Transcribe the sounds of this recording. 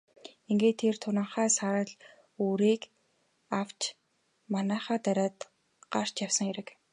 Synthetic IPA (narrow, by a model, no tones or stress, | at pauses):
iŋɡeːt̪ʰːert̪ʰʊnə̆ɴχæːsaɾə̆ɮ | uːɾiːk | aw̥t͡ɕ | manæːχaːt̪æɾʲaːt̪ | ɢ̥ar̥t͡ɕjawsə̆ŋeɾɘ̆k